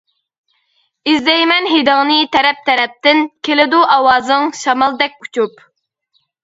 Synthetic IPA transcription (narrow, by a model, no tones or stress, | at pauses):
izd̪ɛjmɛnɦed̪ɨŋnɨt̪ʰɛɾɛp̚t̪ʰɛɾɛp̚t̪ɪnkʲʰelɪd̪uʔɑwɑːzɨŋʃɑmɑlˠd̪ɛk̚ʲut͡ʃʰup